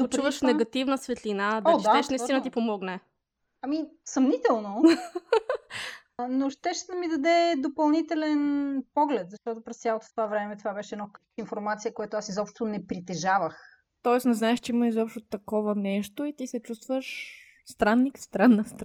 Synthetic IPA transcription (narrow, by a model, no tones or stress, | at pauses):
t̪ot͡ʃuvəʃnɛɡɐt̪ivnəsvɛt̪linad̪aʃaɛʃnɐit̪int̪ipomɔɡnɛ | ɐmisɐmnit̪ɛlˠno | noʃt̪ɛʃd̪ɐmid̪ɐd̪ɛd̪opɐlˠnit̪ɛlɛnpɔɡlɛt̪zɐʃt̪ɔt̪opɾɛst̪ʲjalˠot̪o̥ft̪ovavɾɛmɛt̪ovabɛʃɛd̪nɔk | infoɾmat̪sijəkojat̪oasizɔpʃt̪onɛpɾit̪ɛʒavəx | t̪ɔɛsnɛznaɛʃt͡ʃɛimɐizɔpʃt̪ot̪ɐkɔvənɛʃt̪oit̪isɛt͡ʃust̪vəʃ | st̪ɾanːikst̪ɾanːəst̪